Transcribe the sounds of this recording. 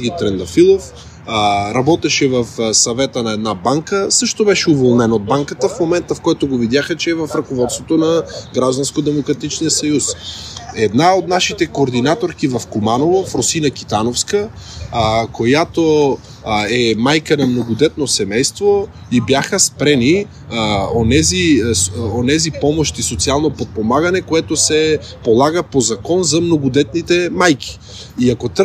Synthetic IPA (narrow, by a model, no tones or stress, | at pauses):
ɡit̪ɾɛnd̪ɐfilˠof | ɾɐbɔt̪ɛʃɛvɐfsɐvɛt̪ənɐɛd̪nabaŋkəsɤʃt̪obɛʃɛuvolˠnɛnod̪̚baŋkət̪əfmomɛnt̪əfkɔjt̪oɡovid̪jaxət͡ʃɛːvɐfɾɐkovɔt̪st̪vot̪onɐɡɾaʒd̪ɐnskod̪ɛmokɾɐt̪it͡ʃnijəsɐjusɛd̪naot̪̚naʃit̪ɛkoːɾd̪inat̪oɾk̟ivɐfkomanovofɾosinɐk̟it̪anofskə | kojat̪o | ɛmajkənɐmnoɡod̪ɛt̪̚nosɛmɛjst̪vo | ibjaxəspɾɛni | onɛzi | onɛzipɔmoʃt̪isot̪sialˠnopot̪̚pomaɡɐnɛkoɛt̪osɛ | polˠaɡəpozɐkɔnzɐmnoɡod̪ɛt̪̚nit̪ɛmajkʰi̥ | iɐkot̪